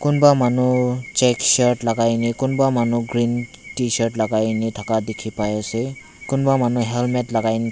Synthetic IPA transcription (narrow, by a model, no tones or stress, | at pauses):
kʊnbamanut͡ʃɛksɔɹtlaɡajnikʊnbamanuɡɹin | tisɔɹtlaɡajnitʰakadekʰipajasɛ | kʊnbamanuɦɛlmɛtlaɡajni